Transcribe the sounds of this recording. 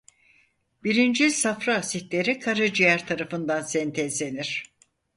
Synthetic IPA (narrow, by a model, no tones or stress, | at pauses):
biɾind͡ʒisafɾaːsit̪lʲe̞ɾikʰaɾɯd͡ʒijæɾt̪ʰaɾafɯnd̪ansɛnt̪ʰɛzle̞niɾ̥